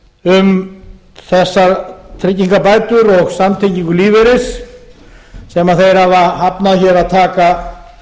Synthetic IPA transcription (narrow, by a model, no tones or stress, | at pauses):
ʏm | θɛsːaɾt̪ʰɾɪcːiŋkapaːjt̪ʏɾɔɣsamt̪ʰejciŋkʏliːvɪɾɪs | ɛmaðθejɾhavahapnaðçɛɾaðt̪ʰaːka